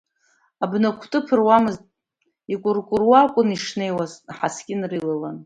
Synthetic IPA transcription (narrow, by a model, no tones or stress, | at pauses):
abnakʷʰtʼɨpʰɨrwamɨztʼ | ikʷʼʊrkʷʼʊrwakʷʼʊniʂne̞jwazħasɡʲʼɪnrilalan